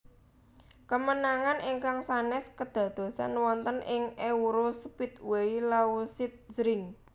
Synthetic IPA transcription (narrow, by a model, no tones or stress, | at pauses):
kəmənaŋanʔiŋkaŋsanɛskəd̪̥ä̤d̪̥o̤sa̰nwɔnt̪ənʔɪŋeuɾospɪt̪̚weilausɪt̪̚z̥ɾɪŋ